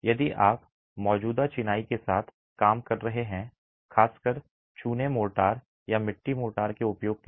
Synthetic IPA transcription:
jɐd̪iʔaːp | mɔːd͡ʒuːd̪at͡ʃɪnaːikesaːt̪ʰ | kaːmkɐɾːɐɦeɦɛ̃ | xʰaːskəɾ | t͡ʃuːnemoːʈaːɾ | jamɪʈːimoːʈaːɾkeʊpjoːɡ̚t̪e

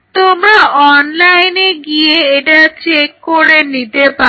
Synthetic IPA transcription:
t̪omɾaʔɔnlajneɡijeeʈat͡ɕekːoɾenit̪epa

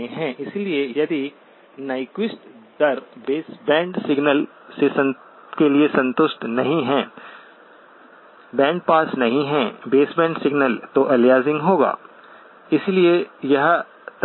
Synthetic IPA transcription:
ɦɛ̃ʔɪsliejɐd̪i | naːɪkwɪsʈd̪ɐɾbeːsbɛ̃ːɳɖsɪɡnəl | sesɐ̃n | keliesɐ̃nt̪ʊʃʈnɐɦĩɦɛ̃ː | bɛ̃ːɖ̚paːsnɐɦĩɦɛ̃ːbeːsbɛ̃ːɳɖsɪɡnəlt̪oʔɐljaːzɪ̃ŋɡɦoːɡa̰ː | ɪsliejɐɦ | t̪

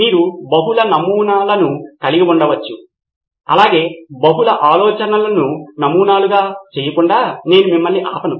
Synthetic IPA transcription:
miːɾubɐɦulɐnɐmuːnaːlɐnukɐliɡiuɳɖɐʋɐt͡ʃːu | ɐ̰laːɡe̞ːbɐɦulɐʔaːlɔːt͡ʃɐnɐlɐnunɐmuːnaːluɡaːt͡ʃeːjɐkuɳɖaːne̞ːnumimːɐlːiʔaːpɐnu

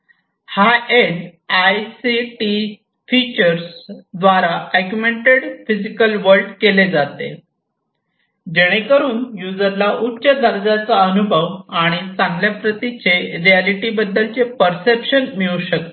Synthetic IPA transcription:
haeɖajsiʈi | fit͡ɕəɾsd̪ʋaɾaæɡjumeɳʈeɽfid͡zikəlʋəɾɖkeled͡zat̪ḛ | d͡ʑeɽ̃ekəɾuːnjud͡zəɾlaʔutːɕəd̪ʱəɾd͡zat͡saənubʱəʋaɽ̃it͡sãŋɡljapɾət̪it͡ɕeɾialiʈibəd̪ːəlt͡sepəɾsepɕənmiɭuɕək̚t̪o

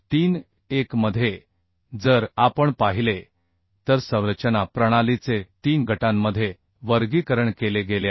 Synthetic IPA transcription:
t̪iːn | ekməd̪ʱːje | d͡zəɾapəɳpaɦile | t̪əɾsə̃w̃ɾət͡ɕənapɾəɽ̃alit͡set̪iːnɡʱəʈamːəd̪ʱːje | ʋəɾɡikəɾəɳkeleɡelja

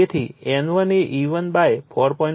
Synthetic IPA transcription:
et̪ʰiɛ̃nʋəneʔiʋənbajpʰɔɾpɔĩn

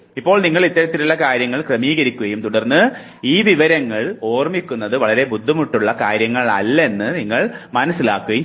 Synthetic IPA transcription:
ipːo̞ːɭniŋːɐɭit̪ːɐɾɐt̪ːilulːɐkaːɾjɐŋːɐɭkrɐmiːɣɐɾikʲːuɣɐjumt̪uɽɐrnːɨ | iːʋiʋɐɾɐŋːɐɭo̞ːrmikʲːunːɐðɨʋɐɭɐɾe̞bud̪ʱːumuʈːuɭːɐkaːɾjɐŋːɐɭɐ̰lːe̞nːɨniŋːɐɭmɐnɐsːilaːkːuɣɐju

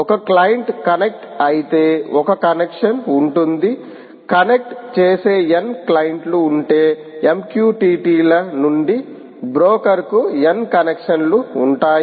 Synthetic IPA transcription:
ɔkɐklɐjɐɳʈkɐnek̚ʈɐjit̪e̞ːɔkɐkɐnekʂɐnuɳʈund̪i | kɐnek̚ʈt͡ʃeːse̞ːenklɐjɐɳʈluːɳʈe̞ː | emkjuːʈiːʈiːlɐnuɳɖi | bɾoːkɐɾkuenkɐnekʂɐnluːɳʈaːj

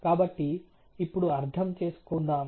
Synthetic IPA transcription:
kaːbɐʈːiː | pːuɽuɐɾt̪ʰɐmt͡ʃe̞ːsu̥kund̪aːm

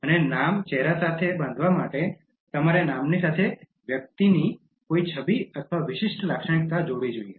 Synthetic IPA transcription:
ənenamt͡ʃɛɦɾasat̪ʰebãnd̪ʱʋamaʈe | t̪əmaɾenamnisat̪ʰe | ʋjək̚t̪ini | koit͡ʃʰəbiət̪ʰʋaʋɪʃɪʃʈlakʃəɽ̃ɪk̚t̪ad͡ʒoɽid͡ʒoiḛ

